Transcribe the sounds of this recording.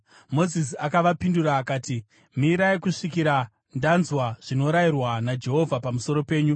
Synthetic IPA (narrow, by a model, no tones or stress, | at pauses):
mo̞zis̬iakaʋapinduɾaːkaːti | miɾaikuʂikiɾa | ndanzwaʐ̥ino̞ɾairwanad͡ʒe̞ɦo̞vʱapamuso̞ɾo̞pe̞ːɲu